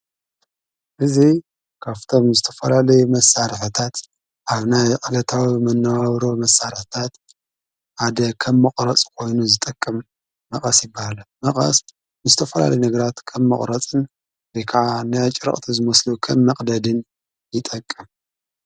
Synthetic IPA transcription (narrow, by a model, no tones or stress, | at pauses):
ʔɨzi | kʰaft̪ʰo̞mzɨt̪ʰɐ̥fɐlalɐjumɐsaɾɨħɨt̪ʰat̪ | ʔaβnajʔʼɐlɐt̪ʰawimɐnːawaβɾomɐsːaɾɨħt̪ʰat̪ | ħad̪ɐkʰɐmːɐqʼɾɐt͡sʼkʰo̞jnuzɨt̪ʼɐkʼːɨmː | ɐχʼɐsjɪbːahalɐmɐχʼɐ̰s | nɨzɨt̪ʰɐfɐla̰lɐjunɐɡɐɾat̪kʰɐmːɐχʼɾɐt͡sʼɨn | zejkʰaʕanɨat͡ʃʼɨɾɐ̰χʼt̪ʰizɨmɐslukʰɐmːɐqʼd̪ɐd̪ɨn | jɪt̪ʼɐkʼːɨm